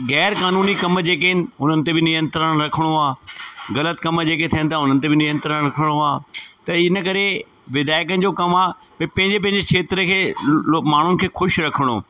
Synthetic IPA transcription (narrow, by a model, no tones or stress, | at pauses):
ɣɛːɾkaːnuːnikɐmd͡ʑeːk̬eɦɪnɪ̆ɦʊnənɪ̆t̪ebɪnɪjə̃nt̪ɾəɽ̃ɾɐkʰəɽ̃oaːɣɐlət̪kɐmd͡ʑeːket̪ʰijənɪ̆t̪ʰaɦʊnənɪ̆t̪ebɪnɪjə̃nt̪ɾəɽ̃ɾɐkʰəɽ̃oaːt̪ɐɪnəkɐɾe | ʋɪd̪aːɪk̬ənɪ̆d͡ʑoːkɐmaː | pɐpɐ̃ɦɪ̃ɲd͡ʑep̬ɐ̃ɦɪ̃ɲd͡ʑekʰeːt̪ɾəkʰeːmaːɳ̤ʊnɪ̆kʰeːxʊʃɾɐkʰəɽ̃o̰ː